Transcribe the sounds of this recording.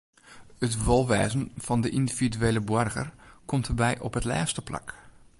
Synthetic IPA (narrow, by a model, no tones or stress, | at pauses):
ətʋɔlˠʋɛːzən̩fɔndəʔindividyeːləbwɔrɣə̰rkʰɔmtʰərbɛjʔɔpɦətlɛ̰ːstəpla̰k